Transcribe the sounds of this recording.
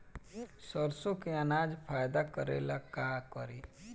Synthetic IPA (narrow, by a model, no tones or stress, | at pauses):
səɾsokeanaːd͡ʒpʰaːjd̪akəɾḛːlakaːkəɾiː